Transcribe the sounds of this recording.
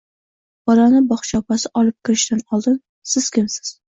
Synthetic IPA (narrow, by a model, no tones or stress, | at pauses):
bɒɾɑnɪbɒχt͡ʃʰɒpasɪʔɒlˠɨp̚kʲʰɪɾɪʃt̪anɒlˠd̪ɪn | sɪz̥kʲɪmsɪ̥z̥